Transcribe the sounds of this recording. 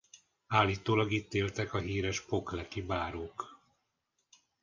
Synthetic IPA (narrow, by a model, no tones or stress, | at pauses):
aːlːiːt̪oːlɒɡit̪ːeːlt̪ɛkɒɦiːɾɛʃpo̞klɛkibaːɾoːk